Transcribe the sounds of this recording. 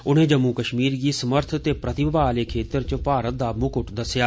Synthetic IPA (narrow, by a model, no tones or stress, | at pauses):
ʊnẽːd͡ʒəmːuːkəʃmiːɾɡiːsəməɾt̪ʰt̪eːpɾət̪ɪbəbaːleːkʰeːt̪əɾt͡ʃəpaːɾət̪̚d̪aːmʊkʊʈd̪əsːjaː